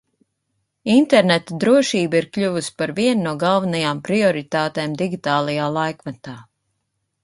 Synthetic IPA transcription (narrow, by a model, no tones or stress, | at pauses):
int̪ɛɾnɛt̪ad̪ɾuɔʃiːbiɾkʎʲuvuspaɾviɛnːuɔɡalˠvanajaːmpɾiɔɾit̪aːt̪eːmd̪iɡʲit̪aːlˠajaːlˠajkvat̪aː